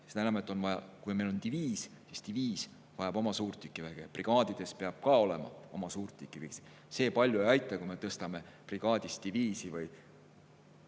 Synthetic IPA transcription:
snænɑmet̪ːˑo̞nvɑjɑ̰kujme̞jlo̞nt̪iviːssist̪iviːs | vɑjɑbo̞mɑsuːrt̪ːykːˑivæɡ̥epriɡ̥ɑːd̪̥id̪̥e̞speɑb̥̚kɑo̞le̞mɑ̰o̞mɑsuːrt̪ʲːˑikːˑivisi̥ | se̞ːpɑlʲjuejɑjt̪ˑːɑkume̞t̪ɤst̪ɑme̞ | priɡ̥ɑːd̪̥ʲist̪iviːsivɯj

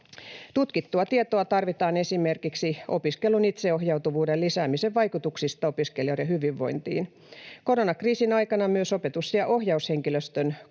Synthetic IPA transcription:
t̪ut̪kit̪ːuɑt̪iet̪oɑt̪ɑrʋit̪ɑːne̞simerkiksiopiskelunit̪seohjɑwt̪uʋuːdellisæːmiseʋʋɑjkut̪uksist̪ɑopiskeljorjɑhyʋiʋːo̞jnt̪ḭːn | ko̞ɾonɑkriːsinɑjkɑnɑmyøsopet̪usːiɑʔohjɑusheŋkiløst̪øn

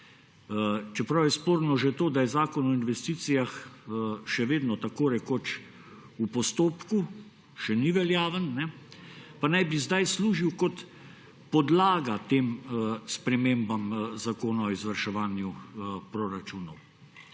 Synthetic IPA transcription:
t͡ʃɛpɾawjɛspoːɾnɔʒɛt̪oːd̪ajɛzaːkɔnɔinʋɛst̪iːt̪sijax | ʃɛʋeːd̪nɔt̪akoːɾɛkoːt͡ʃ | upɔst̪oːpku | ʃɛniʋɛljaːʋənːɛ | panajbizd̪ajsluːʒiwkɔt̪ | pɔd̪laːɡat̪eːmspɾɛmembamzakoːnaɔizʋɐɾʃɛʋaːnjupɾoːɾat͡ʃuːnɔw

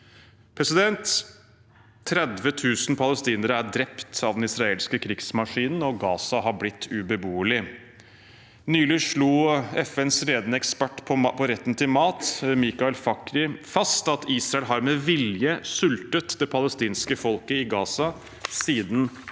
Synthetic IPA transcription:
pʰɾɛsɪd̪ɛnt̪ | ɾɛd̪ʋət̪ʰʉːsn̩pʰɑləst̪iːnəɾəæɖɾɛpt̪ɑʋd̪ɛnɪsɾɑeːlskəkʰɾɪɡsmɑʂiːnn̩ɔɡɑːsɑɦɑɾblɪt̪ʰːʉbəbuːəlɪ | nyːlɪʂɭuːɛfɛnsɾeːd̪ənəɛkspæʈːpʰɔpʰɔɾɛt̪ːn̩t̪ʰɪlmɑːt̪miːkɑɛlfɑkːɾɪfɑst̪ɑt̪iːsɾɑɛlɦɑɾmɛʋɪljəsʉlt̪ət̪d̪ɛpʰɑləst̪iːnskəfɔlkəɪɡɑːsɑ | siːd̪n̩

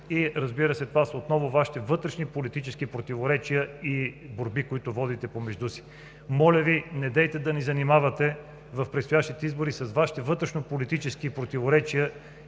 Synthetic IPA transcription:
iɾɐzbiɾəsɛt̪ovasot̪nɔvʊvaʃi̥t̪ɛvɤt̪ɾɛʃnipolit̪it͡ʃɛskipɾot̪ivoɾɛt͡ʃijəiboɾbikoit̪ʊvɔd̪it̪ɛpomɛʒd̪usi̥ | mɔlʲɐvinɛd̪ɛjt̪ɛd̪ɐnizɐnimavɐt̪ɛ | vɐfpɾɛtst̪ojaʃt̪it̪ɛizboɾisɐsvaʃi̥t̪ɛvɤt̪ɾɛʃnopolit̪it͡ʃɛskipɾot̪ivoɾɛt͡ʃijə

